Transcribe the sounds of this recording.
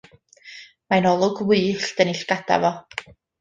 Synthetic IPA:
manɔlˠʊɡwɨːɬd̥ənɪɬɡ̥ad̥a̰vɔ

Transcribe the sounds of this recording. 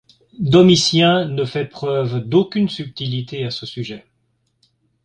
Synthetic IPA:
d̪ɔmisjɛ̃nəfɛpχœvd̪okʲynsyp̚t̪ilit̪easəsyʒɛ

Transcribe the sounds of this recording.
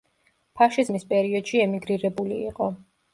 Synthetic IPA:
pʰaʃizmispʼɛɾiɔd̪̥ʃiɛmiɡɾiɾɛbuliːqʼɔ

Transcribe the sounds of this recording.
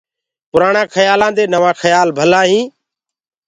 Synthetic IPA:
pʊɾaːɳãːkʰəjaːlãːd̪eːnəʋãːkʰəjaːlbʱəlaːɦĩː

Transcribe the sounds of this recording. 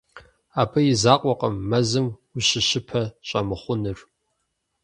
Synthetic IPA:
aːpʰɐjɪzaːqʷʼɔqʼɐmːɐzɨmʊɕɪɕɪpʰɐɕʼɐmɨχʷʊnɨr

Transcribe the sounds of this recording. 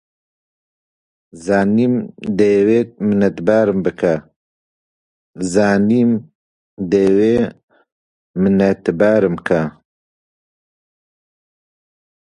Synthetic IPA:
zaːniːmd̪eweːmɨnɛt̪baːɾɨmbɨkʰa | zaːniːm | d̪eːweː | mɨnɛt̪baːɾɨmkʰa

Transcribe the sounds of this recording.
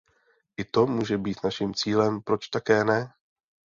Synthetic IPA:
ʔɪt̪o̞muːʒɛbiːt̪naʃimt͡siːlɛmpɾo̞t͡ʃt̪akɛːnɛ

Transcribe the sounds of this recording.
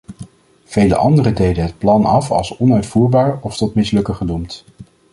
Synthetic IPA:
v̥ejlə̰ʔɑ̰ndərədejdəɦət̚plɑnɑfɑ̰lˠsɔnœɥtfuːɹbaːɹɔftɔtmɪslɵkəχənumt

